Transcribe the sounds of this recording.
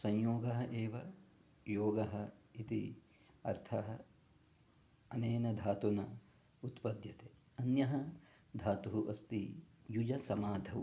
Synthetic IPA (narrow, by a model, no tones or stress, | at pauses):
sɐ̃ɲjoːɡɐɦɐʔeːʋɐ | joːɡɐɦɐit̪i | ɐ̰ɾt̪ʰɐɦɐ | ɐneːnɐd̪ʱaːt̪unɐ | ut̪pɐd̪jɐt̪eː | ɐnjɐɦɐ | d̪ʱaːt̪uɦuʔɐst̪ijud͡ʒɐsɐmaːd̪ʱɐw